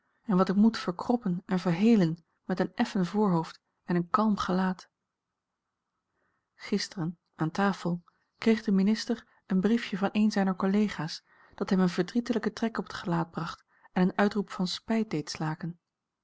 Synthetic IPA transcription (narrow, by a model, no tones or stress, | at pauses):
ɛnʋɑtɪkmutfəɹkrɔpənɛnvəɹɦejlən | mɛtənɛfənvʊːɹɦowft | ɛnənkɑlˠmχəlaːt | χɪstərən | ʔaːntaːfəlˠ | krejχdəminɪstəɹ | ənbrifjəvɑnʔejnzɛjnəɹkolejχaːs | d̥ɑtɦɛmənvəɹdritələkətrɛkɔpətχəlaːd̚brɑχt | ɛnənœɥtrupfɑnspɛjt̚dejtslaːkən